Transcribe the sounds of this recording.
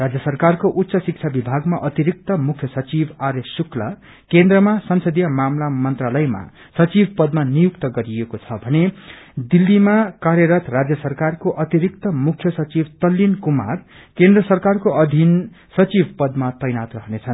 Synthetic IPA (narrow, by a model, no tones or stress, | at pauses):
rad͡zjʌsʌrkarkoʔut̪ːsʌsik̚t͡sʰabibʱaɡmaʔʌt̪iɾik̚t̪ʌmukʰjʌsʌt͡sibʱaɾjesuklʌ̰ | kend̪rʌmasʌnsʌd̪ijʌmamlamʌnt̪ralʌjma̰ | sʌt͡sibʱpʌd̪manijukt̪ʌɡʌɾijekot͡sʰʌbʱʌned̪ilːimakaɾjʌɾʌt̪rad͡zjʌsʌrkarkoʔʌt̪iɾikt̪ʌmukʰːjʌsʌt͡sibʱt̪ʌlːinkuma̰r | kend̪rʌsʌrkarkoʔʌd̪ʱin | sʌt͡sibʱpʌd̪mat̪ʌjnat̪rʌɦnet͡sʰʌn